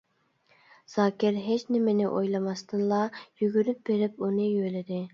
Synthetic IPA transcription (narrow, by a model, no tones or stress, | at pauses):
z̥ɑːkʲɪɾɦet͡ʃnɪmɪnɪʔojlˠɑmɑst̪ɨnlˠɑjyɡʲyɾyp̚beɾɪpunɨjøjlɪd̪ɪ